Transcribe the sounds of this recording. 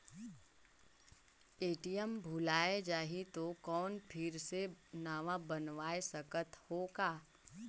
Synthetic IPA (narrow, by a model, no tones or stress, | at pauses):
eːʈijəmbʱʊlaːed͡ʒaːɦit̪okɔːnpʰɪɾsenaːʋãbənʋaːesəkət̪hoːɡaː